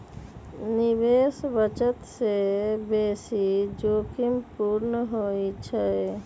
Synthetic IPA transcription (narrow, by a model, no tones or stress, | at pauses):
nɪbeːsbət͡ʃət̪sebeːsid͡ʒoːkimpuɾnəɦoːit͡ʃʰə